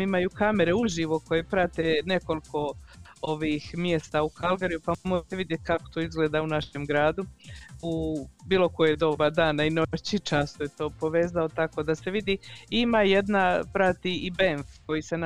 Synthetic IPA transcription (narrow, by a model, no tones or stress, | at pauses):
imajukame̞ɾeuʒiːʋoko̞jepɾat̪ene̞ko̞liko̞oʋixmjest̪aukʰalɡaɾijupamoit̪eʋid̪jet̪̚ʲkako̥t̪oizɡle̞ːd̪aunaʃemɡɾaːd̪uubiːlˠo̞kojeed̪o̞bad̪aːnaino̞t͡ɕit͡ʃaːst̪ojet̪o̞ːpo̞ʋe̞ːzaot̪ako̞d̪ase̞ʋid̪iːimaje̞d̪napɾat̪iibeɱfko̞jisen